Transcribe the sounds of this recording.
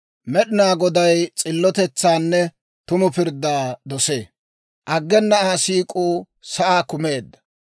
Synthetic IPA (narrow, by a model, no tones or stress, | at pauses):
mɛɗɪnaːɡɔd̪ɐjt͡sʼɪlːɔt̪ɛt͡sːaːnːɛ | t̪ʊmʊpɪɾd̪ːaːd̪ɔseː | ʔɐɡːɛnːɐaːsiːkʼuː | sɐʔaːkʊmeːd̪ːɐ̥